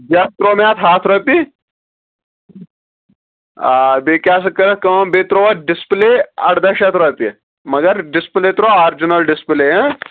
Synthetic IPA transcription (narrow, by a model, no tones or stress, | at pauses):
d͡ʒɐst̪ɾoːmat̪ʰɦaːt̪ʰɾɐpi | abekjaːsɐkːɐɾɐkɐbet̪ɾoʋɐɖɪspleːɐʈd̪ɐʃɐt̪ʰɾɐpi | mɐɡɐɾɖɪspleːt̪ɾoːaːɾd͡ʒinɐlɖɪspleːɐ̃